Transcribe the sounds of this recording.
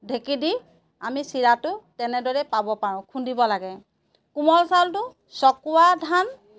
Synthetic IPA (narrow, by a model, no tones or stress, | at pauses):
dʱekidi | amisiɹatʊtɛnɛdɔɹɛpabɔpaɹʊ̃kʰundibɔlaɡɛ | kumɔlsaltʊ | sɔkʊwadʱan